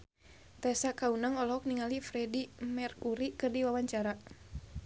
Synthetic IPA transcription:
t̪ɛsakaunaŋɔlɔɔk̚niŋalifɾɛdimɛrkuɾikɨrdiwawaɲt͡ʃaɾa

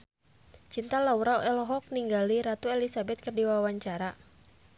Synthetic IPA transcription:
t͡ʃint̪alauɾaɛlɔɦɔk̚niŋɡaliɾat̪uelisabɛt̪̚kərdiwawaɲt͡ʃaɾa

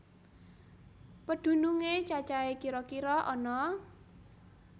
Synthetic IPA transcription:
pəd̪̥ṳnuŋet͡ʃat͡ʃaekiɾɔkiɾɔʔɔnɔ

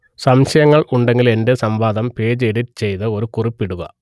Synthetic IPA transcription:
sɐmɕɐjɐŋːɐɭuɳɖe̞ŋɡile̞ndesɐmbaːd̪ɐmpe̞ːd͡ʑeɽiɾt͡ɕe̞jt̪ɐo̞ɾukuripːiɽuɣɐ̰

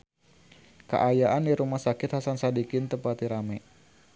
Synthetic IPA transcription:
kə̰ʔajaʔandiɾumahsakɪt̪hasansadikɪnt̪əpat̪iɾamɛ

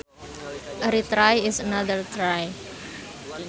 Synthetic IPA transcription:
ʔəɾit̪ɾajɪsənaðəɹt̪ɾaj

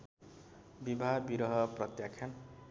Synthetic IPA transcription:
bibʱabiɾʌɦʌprʌt̪jakʰjan

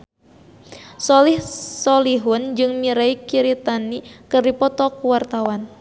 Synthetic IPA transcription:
sɔlihsɔliɦʊnd͡ʒɨŋmiɾaikiɾit̪anikɨrdipɔt̪ɔkuwart̪awan

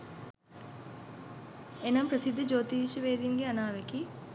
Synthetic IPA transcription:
enɐmpɾəsid̪ʱːəd͡ʒoːt̪iʃəʋeːd̪iŋɡeanaːʋeki

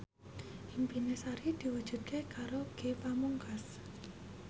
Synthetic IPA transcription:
ʔimpinesaɾid̪̥i̤wud̥ʒ̥ṳd̪̚kekaɾoɡ̥epamuŋkas

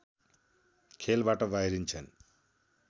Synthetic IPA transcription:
kʰelbaʈʌbajɾint͡sʰʌn

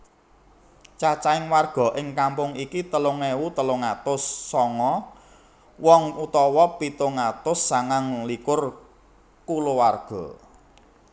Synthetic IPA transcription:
t͡ʃat͡ʃaɪŋwarɡ̥ɔ̤ʔɪŋkampʊŋikit̪əlʊŋewut̪əlʊŋat̪ʊsːɔŋɔ | wɔŋut̪ɔwɔpit̪oŋat̪ʊsːaŋaŋlikʊr | kulowarɡ̥ɔ̤

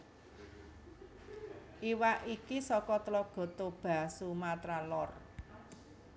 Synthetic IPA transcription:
ʔiwaʔikisɔkɔt̪əlɔɡ̥ɔ̤t̪ob̥a̤sumat̪ɾalɔr

